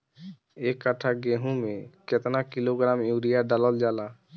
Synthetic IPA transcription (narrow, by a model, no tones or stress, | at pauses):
ekːaʈʰaɡeɦũmeket̪nakiloɡɾamjuɾijaɖalɔld͡ʒala